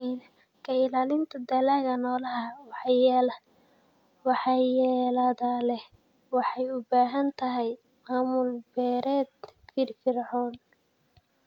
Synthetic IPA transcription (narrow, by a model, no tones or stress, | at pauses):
n | kʰɐɪlaːlɪnt̪ʰɐd̪ɐlaɣɐnɔːlɐɦɐwħɑjɛl | wɑħɑːjɛːlɐðɐlɛh | wɑħɑjʊbaːɦɐnt̪ʰɐɦɛj | maːmʊlbɛːɾɛːd̪fɪrfɪrʕɔːn